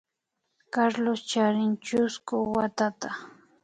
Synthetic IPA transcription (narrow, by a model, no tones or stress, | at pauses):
kaɾlost͡ʃaɾɪnt͡ʃʊskʊwat̪at̪a